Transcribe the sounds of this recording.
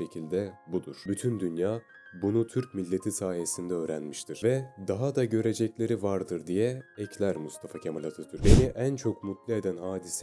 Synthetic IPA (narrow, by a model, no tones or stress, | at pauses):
ecʰilʲd̪ɛbud̪uɾ̥byt̪ʰynd̪ynjaː | bunut̪ʰyɾc̚milʲːe̞t̪ʰisaːije̞sind̪ɛø̞ːɾænmiʃt̪ʰiɾ̥vɛd̪aɦad̪aɟø̞ɾe̞d͡ʒɛclʲe̞ɾivaɾd̪ɯɾd̪ijɛɛcʰlʲæɾmust̪ʰafacʰemalʲat̪ʰɯt̪ʰyɾbeniʔænt͡ʃʰo̞kmut̪lʲie̞d̪ænɦaːd̪isɛ